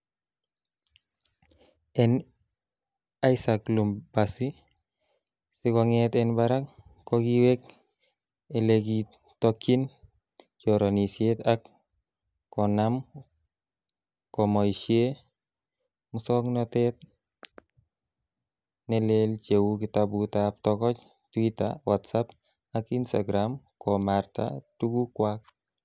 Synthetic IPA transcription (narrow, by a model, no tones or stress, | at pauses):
ɛn | aisaklumbasi | sikɔŋɛt̪ɛnbaɾakkːɔɡiwɛk̚ | eleɡi | tokːin | t͡ʃɔɾonisiet̪ak | kːɔnam | kɔmɔiʃje | mʊsɔknɔt̪ɛt̪̚ | nɛlelt͡ʃewukɪt̪abut̪ap̚t̪ɔkɔt͡ʃ | twita̰watsap | akinsaɡɾamkɔmaɾt̪a̰tuɡukwak̚